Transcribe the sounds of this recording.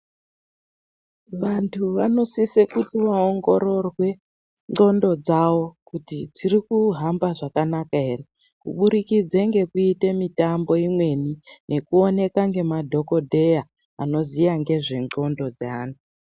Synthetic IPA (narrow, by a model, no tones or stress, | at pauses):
ʋantʰuʋano̞sisekutiʋaoŋɡo̞ɾo̞rwe̞ | ŋ͡ǃo̞ndo̞d͡zawo̞kutid͡zirikuɦambaʐakanakaɦe̞re̞ | kṵɓuɾikid͡zeŋɡe̞kuitemitambo̞imwe̞nine̞kuo̞ne̞kaŋɡe̞madʱo̞ko̞dʱe̞ja | a̰no̞zijaŋɡe̞ʐe̞ŋ͡ǃo̞ndo̞d͡zaːntu